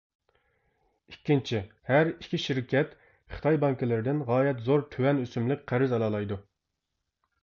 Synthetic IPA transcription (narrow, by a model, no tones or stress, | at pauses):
ikʲːint͡ʃʰihæɾikʲʰiʃiɾkʲʰɛt̪ | χɨ̥t̪ʰɑjbɑŋkɪlɪɾɪd̪ɪnʁɑːjɛt̪zoɾt̪ʰøwɛnøsymlɪk̚ʲqʰæɾɪzɑlˠɑːlˠɑjd̪u